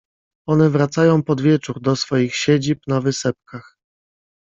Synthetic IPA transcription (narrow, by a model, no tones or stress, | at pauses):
ɔnɛvɾat̪sajɔ̃w̃pɔd̪vʲjɛt͡ʂuɾd̪ɔsfɔjixɕed͡ʑipnavɘsɛp̚kax